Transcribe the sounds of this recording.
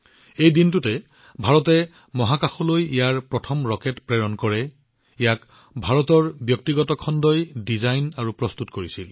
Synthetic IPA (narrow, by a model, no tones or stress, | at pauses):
ejdintutɛ | bʱaɹɔtɛ | mɔɦakaxulojijaɹpɹɔtʰɔmɹɔkɛtpɹɛɹɔnkɔɹɛ | ijak | bʱaɹɔtɔɹbjɔk̚tiɡɔtɔkʰɔndɔjdizajnaɹupɹɔstutkoɹisil